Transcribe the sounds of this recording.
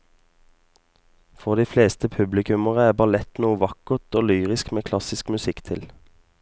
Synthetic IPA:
fɔʁd̪iːfleːst̪əpʰʉblɪkʉməʁəæːbɑlɛt̪nuːəʋɑkəʁt̪oːlyːʁɪskmeːkʰlɑsɪskmʉsɪkt̪ʰɪl

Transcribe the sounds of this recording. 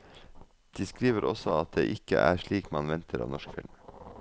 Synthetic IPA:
d̪̥iːskɾiːʋəɾʔɔ̰sɔɑt̪̚d̪ḛːʔɪkə̰ʔæːʃɭiːkmɑnʋɛnt̪ʰəɾʔɑːʋnɔʃkfɪ̰lm

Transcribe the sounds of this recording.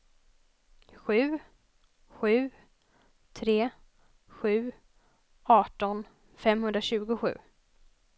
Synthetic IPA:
ɧʉ̟ː | ɧʉ̟ː | t̪ʰɾeː | ɧʉ̟ː | ɑːʈɔn | fɛmhɵnd̪ɾaɕʉ̟ːɡʊɧʉ̟̰ː

